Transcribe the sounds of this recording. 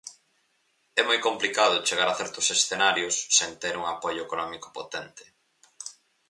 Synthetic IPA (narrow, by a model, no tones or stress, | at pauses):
ɛmojkomplikað̞ʊt͡ʃeɣaɾaθɛɾt̪ʊsesθenaɾjʊsːent̪eɾuŋapoʎʊekonɔmiko̥pot̪ɛnt̪ɪ̥